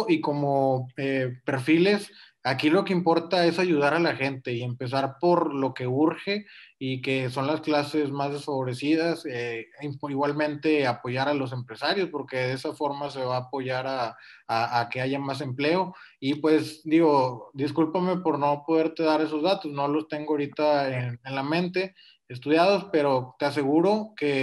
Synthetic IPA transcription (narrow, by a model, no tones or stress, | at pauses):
iko̞mo̞epe̞ɾfile̞s | akilo̞ke̞impo̞ɾt̪ae̞saʝuð̞aɾalaxe̞nt̪e̞ie̞mpe̞s̬aɾpo̞ɾlo̞ke̞uɾxe̞ike̞so̞nlasklase̞zmazðe̞sfaβo̞ɾe̞sið̞aseiiɣwalmẽ̞nt̪e̞apo̞ʝaɾalo̞s̬e̞mpɾe̞saɾjo̞spo̞ɾke̞ðe̞safo̞ɾmase̞βaːpo̞ʝaɾaː | ke̞aʝamas̬e̞mple̞o̞ | ipwe̞sd̪iɣo̞d̪iskulpame̞po̞ɾno̞po̞ðe̞ɾt̪e̞ðaɾe̞s̬o̞zðat̪o̞sno̞lo̞st̪e̞ŋɡoaoɾit̪aenenlamẽ̞nt̪e̞ | es̬t̪uðjað̞o̞spe̞ɾot̪eas̬e̞ɣuɾo̞ke̞